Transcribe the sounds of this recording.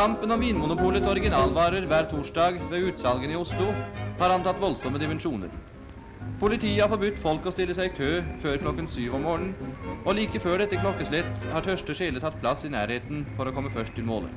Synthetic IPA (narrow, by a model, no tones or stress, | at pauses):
ɑmpənɔmʋɪnmʊnʊpuːlət̪sɔɾɪɡɪnɑːlʋɑːɾəɾʋæːɾt̪ʰuːʂɖɑːɡʋeːʉːt̪sɑlɡənɪʊslʊhɑːɾɑnt̪ɑt̪ːʋɔlsɔmːəd̪ɪmɛnʂuːnə̰ɾ | pʰʊlɪt̪ʰiːəhɑɾfɔɾbʉt̪ːfɔlkɔst̪ɪlːəsæɪkʰøːføːɾkʰlɔkːənsyːʋɔmːoːɳən̩ɔliːkəføːɖɛt̪ːəkʰlɔkːəslɛt̪ːhɑːʈʰœʂʈəʂeːlət̪ʰɑt̪̚ːpʰlɑsːɪnæːɾheːt̪nfɔɾɔkʰɔmːəfœʂʈ̪ʰɪlmoːlə̰